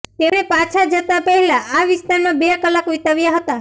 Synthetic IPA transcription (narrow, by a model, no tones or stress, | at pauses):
t̪enepat͡ʃʰad͡ʒət̪apəɦɛlaːʋɪst̪aɾmãbekəlakʋit̪aʋjaɦət̪a